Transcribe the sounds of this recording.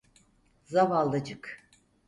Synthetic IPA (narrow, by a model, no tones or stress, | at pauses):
zavalˠd̪ad͡ʒɯk